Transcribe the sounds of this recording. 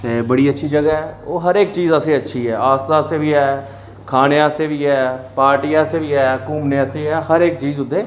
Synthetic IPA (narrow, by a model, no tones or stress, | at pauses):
t̪eːbəɽiːətːʃʰiːd͡ʒəɡaːɦɛːoːɦəɾeːk̚t͡ʃiːzəseːətːʃʰiːɦɛːaːst̪aːseːʋiːɛː | kʰaːneːaseːʋiːɛːpaːɾʈijaːseːʋiːɛːkuːmneːəseːɛːhəɾeːk̚t͡ʃiːzʊd̪eː